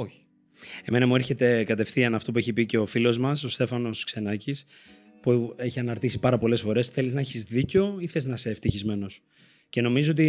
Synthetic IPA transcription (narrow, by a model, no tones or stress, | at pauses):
oçi̥ | e̞me̞nɐmueɾçe̞t̪e̞kɐt̪e̞fθiɐnɐft̪o̞p̬ue̞çipice̞ofilo̞zmɐso̞st̪e̞fɐno̞skse̞nɐcis | pue̞çiɐnɐɾt̪isi̥pɐɾɐpo̞le̞sfo̞ɾe̞sθe̞liznɐçizðiceo̞iθe̞znɐse̞ːft̪içizme̞no̞s | ce̞no̞mizoo̞t̪̬i